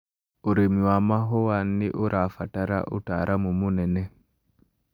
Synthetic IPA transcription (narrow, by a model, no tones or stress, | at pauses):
oɾemiwamaɦowanːiʔoɾʔafataɾa̰ʔo̰taɾʔamumunɛnɛ